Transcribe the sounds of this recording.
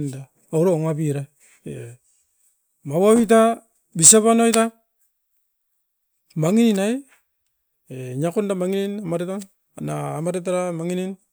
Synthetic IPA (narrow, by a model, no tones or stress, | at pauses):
nda | auɾoŋabiɾa | e | mawawit̬a | bisaβanojta | maŋininaj | eɲakundamaŋininamaɾetaŋ | a̰naːmaɾetaɾamaŋinin